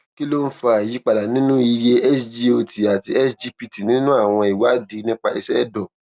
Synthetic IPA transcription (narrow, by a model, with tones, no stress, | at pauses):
ki˦lo˦n̩˦fa˧a˨ji˨˦k͡pa˧la˨nĩ˨˦nũ˦i˧je˧ɛ˦sd͡ʒi˧˦o˨ti˨a˨ti˧ɛ˦sd͡ʒi˧pi˧ti˨nĩ˨˦nũ˦a˦˨w̃ɔ̃˧i˨wa˨˦di˨˧˦nĩ˦k͡pa˧ḭ˧ʃɛ˦˨dɔ˨